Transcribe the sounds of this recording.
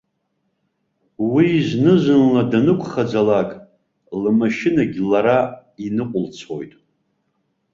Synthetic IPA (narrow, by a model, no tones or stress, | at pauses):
wiːznɨʒʷɨnladanɨkʷʰʼχad͡zalakʼ | lɨmaʃɪnaɡʲlaɾainɨqʷʼʊlt͡sʰo̞jtʼ